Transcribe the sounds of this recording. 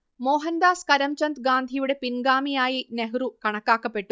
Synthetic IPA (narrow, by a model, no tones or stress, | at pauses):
mɔːɦɐnd̪aːskɐɾɐmt͡ʃɐnt̪ɡaːnd̪ʱijuɽepiŋɡaːmijaːjineɦɾukɐɳɐkaːkɐpeʈːu